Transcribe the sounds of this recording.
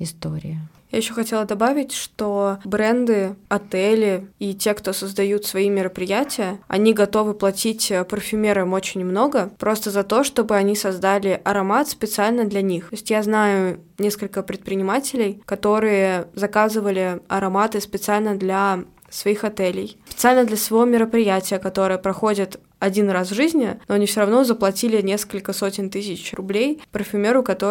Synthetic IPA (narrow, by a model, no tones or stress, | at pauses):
ɪst̪oɾʲɪ̰jə | jajɪɕːoxɐtʲe̞lˠəd̪ɐbavʲɪtʲʂt̪obɾɛnd̪ɨɐt̪ɛlʲɪitʲe̞kt̪o̞səzd̪ɐjut̪svɐimʲɪɾəpɾʲɪjætʲɪjəɐ̰nʲiɡɐt̪o̞vɨplˠɐtʲitʲːpɾfʲɪmʲeɾəmo̞t͡ɕɪnʲmno̞ɡəpɾo̞st̪əzɐt̪o̞ʂt̪o̞bɨɐnʲisɐzd̪alʲɪʔɐɾɐmat̪spʲɪt̪sɨalʲnəd̪lʲɐnʲixoɪsʲtʲjaznajʊnʲe̞skəlʲkəpɾʲɪt̪̚pɾʲɪnʲɪmatʲɪlʲɪjkɐt̪o̞ɾɨjəzɐkazɨvəlʲɪɐɾɐmat̪ɨspʲɪt̪sɨalʲnəd̪lʲɐ | svɐixɐt̪ɛlʲɪjpʲɪt̪sɨalʲnəd̪lʲəsvɐvomʲɪɾəpɾʲɪjætʲɪjəkɐt̪o̞ɾɨjəpɾɐxo̞dʲɪt̪ | ɐdʲinrasʐɨzʲnʲɪnoɐnʲifsʲoɾɐvno̞zəplˠɐtʲilʲɪnʲe̞skəlʲkəso̞tʲɪnt̪ɨs̬ʲɪt͡ɕrʊblʲejpɾfʲʊmʲe̞ɾʊkɐt̪o